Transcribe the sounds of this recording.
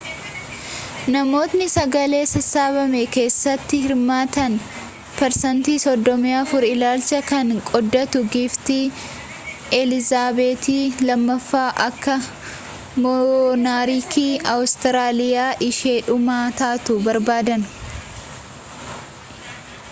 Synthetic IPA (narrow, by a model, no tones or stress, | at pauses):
nɐmo̞ːt̪nɪsɐɡɐle̞ːsɐsaːβɐmɛke̞ːsːɐt̪ːɪhɪɾmaːt̪ɐn | pɛɾsɐnt̪iːsɔd̪ːɔmɪjaːfʊɾɪlaːlt͡ʃɐkɐŋkʼɔd̪ːɐt̪ʊɡɪːft̪i | ɛlɪzaːbeːt̪iːlɐmːɐfːaːʔɐkːɐ | mɔnaːɾiːkʰiːɐwst̪ɪɾaːlɪjaːʔɪʃeːᶑʊmaːt̪aːt̪ʊbɐɾbaːd̪ɐn